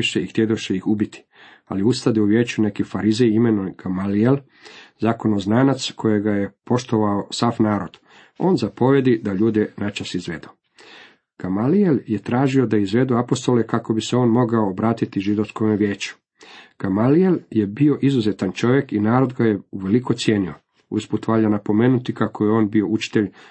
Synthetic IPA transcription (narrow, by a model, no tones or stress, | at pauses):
ʃeixt̪jed̪uʃeixubit̪i̥ | a̰liust̪ad̪euʋjeːt͡ɕune̞kifaɾizejimenoɡ̥amaliel | zaːko̞noznaːnat̪skʰo̞jeɡaje̞po̞ʃt̪o̞ʋaosafnaːɾo̞d̪̥ | o̞ːnzapo̞ʋje̞d̪id̪aʎuːd̪enat͡ʃasizʋe̞d̪u | ɡ̥amalielje̞t̪ɾaːʒio̞d̪aizʋe̞d̪uapo̞st̪o̞lekako̞biseo̞ːnmo̞ɡaoːbɾaːt̪it̪iʒid̪o̞skomeʋje̞ːt͡ɕu̥ | ɡ̥amalielje̞bio̞ʔizuzet̪ant͡ʃo̞ʋje̞kinaːɾo̞d̪ɡajeuʋeliko̞t̪sje̞ːnio̞̰ | ṵsput̪ʋaːʎanapo̞me̞ːnut̪ikako̞jeo̞ːnbio̞ut͡ʃi̥t̪e̞ʎ